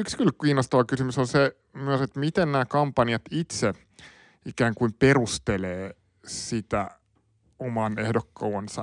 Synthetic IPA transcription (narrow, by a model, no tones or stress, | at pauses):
ykskylkiːnost̪ɑʋɑkysymysonse | myøset̪mit̪ennæːkɑmpɑniɑt̪it̪se | ikæːŋkuimperust̪eleː | sit̪æ | omɑnehdokːɑuɑnsɑ̰